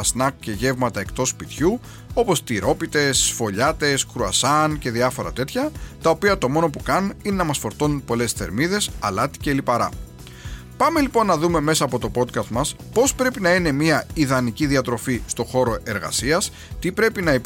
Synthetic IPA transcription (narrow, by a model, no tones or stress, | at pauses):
ɐsnɐk̚ce̞ʝe̞vmɐt̪ɐe̞kt̪o̞spit̪çu | o̞po̞st̪iɾo̞pit̪e̞sfo̞ʎɐt̪e̞skɾuɐ̰sɐnce̞ðiɐfo̞ɾɐ̰t̪e̞t̪çɐt̪ɐo̞piɐt̪o̞mo̞no̞pukɐnine̞nɐmɐsfo̞ɾt̪o̞nunpo̞le̞sθe̞̰ɾmiðe̞sɐ̰lɐt̪i̥ceːlipɐɾɐ̰ | pɐme̞liponːɐðume̞me̞sɐːpo̞t̪o̞po̞t̪kɐst̪mɐs | po̞spɾe̞pinɐine̞miɐiðɐniciðiɐt̪ɾo̞fist̪o̞xo̞ɾo̞e̞ɾɣɐ̰siɐs | t̪ipɾe̞pinɐe